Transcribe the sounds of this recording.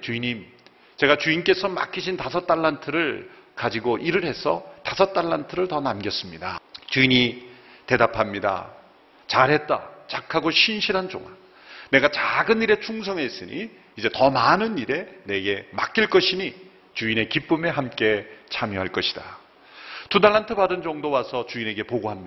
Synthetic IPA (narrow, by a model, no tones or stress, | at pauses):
t͡ɕuiɲim | t͡ɕe̞ɡat͡ɕuink͈e̞sʰʌma̰kʰiɕʰintasʰʌt͈aɭːantʰɯɾɯɭkad͡ʑiɡoʔiɾɯɾɦe̞sʰʌtasʰʌt͈aɭːantʰɯɾɯɭtʌnamɡjʌs͈ɯmɲidat͡ɕuiɲi | te̞dapʰamɲida̰ | t͡ɕaɾɦe̞t̚t͈a̰t͡ɕakʰaɡoɕʰinɕʰiɾɦand͡ʑo̰ŋa | ne̞ɡat͡ɕaɡɯniɾe̞t͡ɕʰuŋsʰʌŋɦe̞s͈ɯɲḭː | d͡ʑe̞tʌmanɯniɾe̞ne̞ɡe̞ma̰k͈iɭk͈ʌɕʰiɲi | t͡ɕuine̞kip͈ɯme̞ɦamk͈e̞t͡ɕʰamjoɦaɭk͈ʌɕʰi̥d̥a̰ | tudaɭantʰɯbadɯnd͡ʑʌŋdowasʰʌt͡ɕuine̞ɡe̞poɡoɦamɲi